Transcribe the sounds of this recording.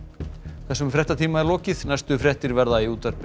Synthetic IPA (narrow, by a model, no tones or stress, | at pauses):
θɛsːʏmfɾɛht̪at̪ʰiːmaɛɾlɔːcɪðnajst̪ʏfɾɛht̪ɪɾvɛɾðaiuːt̪aɾp